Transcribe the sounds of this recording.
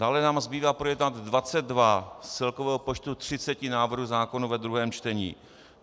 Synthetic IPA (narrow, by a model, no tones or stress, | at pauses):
d̥aːlɛnaːmzbiːvaːpɾojɛdnat̪ːvat͡sɛd̪̚dvast͡sɛlkovɛːɦopot͡ʃt̪ut̪r̝̥ɪt͡sɛcɪnaːvr̩ɦuzaːko̞nuvɛd̪ɾuɦɛːmt͡ʃt̪ɛɲḭː